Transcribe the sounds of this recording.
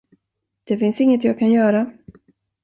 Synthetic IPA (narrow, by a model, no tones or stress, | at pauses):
d̪̥ɛfɪnsɪŋːət̪jaːɡ̚kʰanjœːɾa